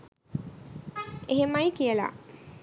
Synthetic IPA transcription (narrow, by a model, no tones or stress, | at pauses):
eɦemajkijəla̰